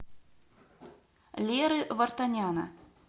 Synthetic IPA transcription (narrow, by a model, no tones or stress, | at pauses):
lʲɛɾɨvɐrt̪anʲanɐ̰